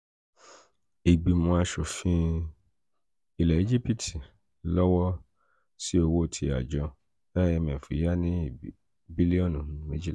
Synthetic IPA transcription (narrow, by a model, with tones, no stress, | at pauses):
i˨ɡ͡bi˨mõ˧a˧ʃo˨fĩ˧˦ | i˨lɛ˨e˨˦d͡ʒi˦pi˦tʰi˨ | lɔ˦wɔ˦ | si˦o˧wo˦˨tʰi˧a̰˨d͡ʒɔ˧ | bɛ˦jɛ˧mɛ̃˨fḭ˨˦ja˦nĩ˦i˨ | bi˦li˦ɔ̃˦nũ˨ñ˨˦mẽ˦d͡ʒi˦l